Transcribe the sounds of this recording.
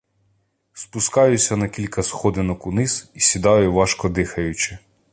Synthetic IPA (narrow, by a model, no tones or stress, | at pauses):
spʊskɑjʊsʲɐnɐkʲilʲkɐsxɔd̪ɪnɔkunɪz̥isʲid̪ɑjʊʋɑʃkɔd̪ɪxɐjʊt͡ʃɪ